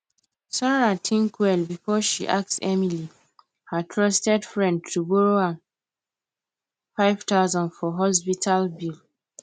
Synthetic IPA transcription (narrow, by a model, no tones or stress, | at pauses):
saɹatʰĩŋkʰwɛlbifɔʃiʔak̚tsɛmili | hətʰɹɔstɛdfɹɛ̃ndtʰuboɹoã | faɪv̥taʊzɔ̃nfɔɦɔs̬pitʰalbil